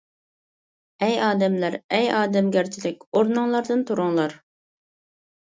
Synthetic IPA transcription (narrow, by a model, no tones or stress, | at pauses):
ɛjɑːd̪ɛmlæɾɛjɑːd̪ɛmɡʲæɾt͡ʃʰɪd̪ɪk̚ʲoɾnʊŋlˠɑɾd̪ɨnt̪ʰuɾʊŋlˠɑɾ